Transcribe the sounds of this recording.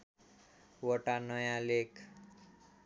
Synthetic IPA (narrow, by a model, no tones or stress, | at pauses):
wʌʈanʌjãlekʰ